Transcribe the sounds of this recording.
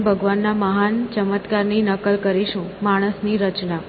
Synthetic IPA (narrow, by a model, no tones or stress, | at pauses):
bʱəɡʋanːaməɦant͡ʃəmət̪kaɾninəkəlkəɾiʃũmaɽ̃əsniɾət͡ʃna